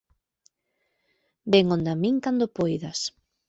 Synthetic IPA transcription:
beŋond̪amiŋkand̪opojðɐs

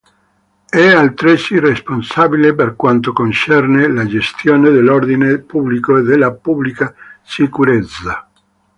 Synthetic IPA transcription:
ɛalt̪ɾesiresponsabileperkwant̪okont͡ʃɛrnelad͡ʒest̪joːned̪elːord̪inepublikoed̪elːapublikasikuɾet̪sːa

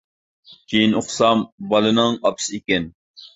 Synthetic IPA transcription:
kʲʰejinoχsɑmbɑlɨnɨŋɑpsɨikʲɛn

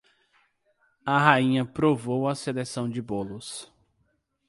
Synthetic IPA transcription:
ɐɦaĩɲɐpɾovowɐselesɐ̃w̃d͡ʒɪbolʊs

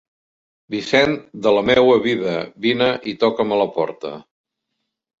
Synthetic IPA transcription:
bisɛnd̪ələmɛwəβiðəβinəʔit̪ɔkəmələpɔ̰ɾt̪ə̰

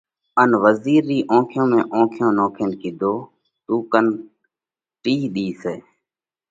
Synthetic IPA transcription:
ənʋəziːɾːiːʔõːkʰjõːmẽːʔõːkʰjõːnoːkʰənkɪd̪ʱoː | t̪uːkən | ʈiːɗiːseː

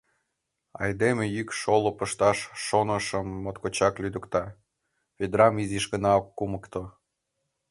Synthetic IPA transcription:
ɑ̰jd̪emejykʃolopəʃt̪ɑʃːonə̆ʃəmːot̪kot͡ɕɑklyd̪əkt̪ɑ | βed̪rɑmiziʃɡənɑokːuməkt̪o

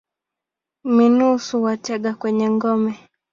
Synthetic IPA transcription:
minusuwatɛɠakwɛɲɛŋɡɔmɛ

